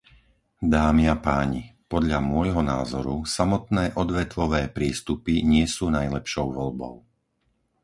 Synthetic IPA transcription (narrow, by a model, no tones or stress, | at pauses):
d̪aːmiapaːɲipɔd̪ʎamʊɔjɦɔna̰ːzɔɾusamɔt̪nɛːʔɔd̪ʋɛt̪ʋɔʋɛːpɾiːst̪upiɲɪɛsuːnajlɛpʃɔʊʋɔʎbɔ̰ʊ